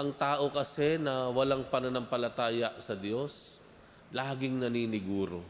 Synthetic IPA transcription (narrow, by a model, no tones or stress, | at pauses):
ʔɐŋt̪aːʔo̞kɐsɛnɐwɐlaŋpɐnɐnɐmpɐlɐt̪aːjɐʔsɐd̪jo̞s | laːɡɪŋnɐniːnɪɡuːɾo̰